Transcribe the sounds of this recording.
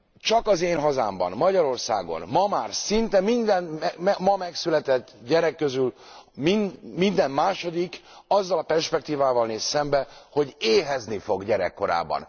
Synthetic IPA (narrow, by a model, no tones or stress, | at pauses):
t͡ʃɒkɒzeːnɦɒza̰ːmbɒ̰nmɒɟɒɾo̞rsa̰ːɡo̞̰nmɒmaːrsint̪ɛmind̪ɛnɛɛmɒmɛksylɛt̪ɛt̪ːɟɛɾɛkːøzylminmind̪ɛmːaːʃo̞d̪ikɒzːɒlɒpɛrʃpɛk̚t̪iːvaːvɒlneːsːɛmbɛho̞ɟeːɦɛznifo̞ɡɟɛɾɛ̰kːo̞ɾa̰ːbːɒ̰n